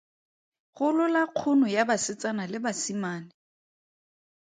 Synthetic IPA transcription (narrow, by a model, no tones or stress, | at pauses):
χʊlʊlaq͡χʰʊnʊjabasɪt͡sanalɪbasimaːnɪ